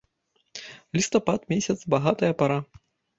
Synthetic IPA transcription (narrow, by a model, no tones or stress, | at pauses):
lʲist̪ɐpat̪mʲesʲɐt̪sbaɣat̪ɐjɐpaɾa